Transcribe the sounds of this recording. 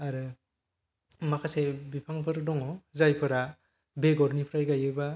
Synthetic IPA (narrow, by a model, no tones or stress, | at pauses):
aɾɯ | makʰasebipʰaŋpʰɯɾdɔŋɔzajpʰɯɾa | beɡɔɾnipʰɾajɡajɯba